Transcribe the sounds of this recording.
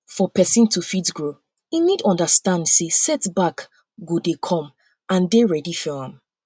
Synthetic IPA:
fɔpɛsĩntufidɡɹo | inidɔ̃ndəstãndsesɛtbak | ɡodekʰɔ̃m | ãndeɹɛdifɔãm

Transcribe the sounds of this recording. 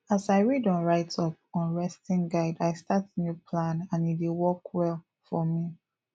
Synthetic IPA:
asaɪɹidɔ̃nɹaɪtʰɔp̚ | ɔ̃nɹɛstĩnɡaɪdaɪstatnjupʰlãnãnidewɔkwɛl | fɔmi

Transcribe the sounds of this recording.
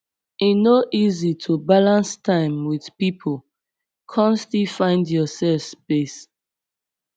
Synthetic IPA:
inoʔizitʰubalãnstʰãɪ̃mwið̥pipʰəl | kʰɔ̃nstlifãɪ̃ndjɔsɛlfspes

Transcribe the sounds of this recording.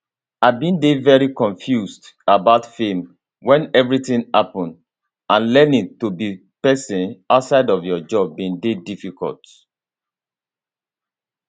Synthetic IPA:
abĩndevɛɹikɔ̃ɱfjusd | abaʊtfẽm | wɛ̃nɛvɹitĩŋhapɔ̃nd | ãnlɛnĩtubi | pɛsĩnaʊtsaɪdɔvjɔd͡ʒɔbːĩndedifikɔ̰lt

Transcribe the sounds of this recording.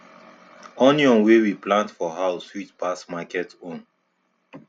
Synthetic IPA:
ɔ̃niɔ̃nwewiplãntfɔɦaʊswitpasmakɛtõn

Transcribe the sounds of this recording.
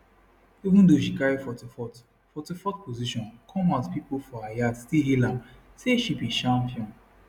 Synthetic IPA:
ivũndoʃikaɹifɔtifɔt | fɔtifɔtpoziʃɔ̃nkʰɔ̃mazpipolfɔajadstilɦilãm | seʃibiʃãmpiɔ̃n

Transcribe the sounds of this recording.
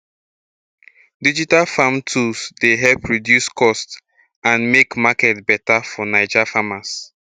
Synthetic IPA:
did͡ʒitalfamtʰusdeɦɛlpɹidjuskɔst | ãnmekmakɛtbɛtafɔnaɪd͡ʒafamas

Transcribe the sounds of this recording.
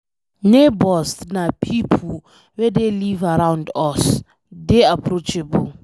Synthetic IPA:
nebɔsnapʰipʰl | wɛdelivaɾãwndɔs | deapʰrot͡ʃɛbɔl

